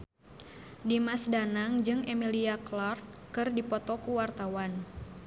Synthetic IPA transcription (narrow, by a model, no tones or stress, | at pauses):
dimasdanaŋd͡ʒɨŋɛmiliaklɔrkɨrdipɔt̪ɔkuwart̪awan